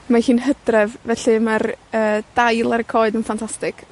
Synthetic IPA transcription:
mahiːnhədrɛvvɛɬimarəːd̥ajlˠaɾəkʰɔɨdənfantʰastɪkʰ

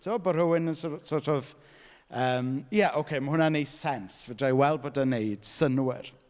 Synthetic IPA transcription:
tʰɪɔbəɾəwɪnənsɔsɔtɔv | əːmjaʔowkʰejməɦʊnanejsɛnsvədajwɛlˠbodanejd̥sənwɪr

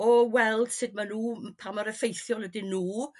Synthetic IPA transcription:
ɔwɛlˠd̥sɨd̚manuːpʰamaɾəfejθjɔlˠwədɨnuː

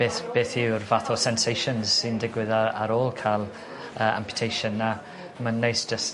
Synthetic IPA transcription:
b̥eːθb̥eːθɪwrvaθɔsɛnsejʃənz̥sɪndɪɡwɪðaaɾoːlˠkʰajlˠ | əːã̰mpʰjʊ̥tʰejʃənːa | mənːejsd̥d͡ʒəs

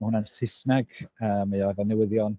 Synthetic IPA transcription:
ahʊnansɪsnaɡ̥əːmaɔɛvɔnɛwɪðjɔn

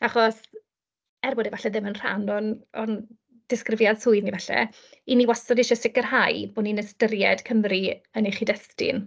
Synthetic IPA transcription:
aχɔs | ɛrbɔdɛvaɬɛðɪmənr̥a̰nɔnɔn | d̥ɪskrɪvjad̥sʊɨðnivɛɬɛ̰ | iniwasɔdɪʃɔsɪkərɦajboninəstəɾjɛd̥kʰəmriəneχidɛstɪ̰n

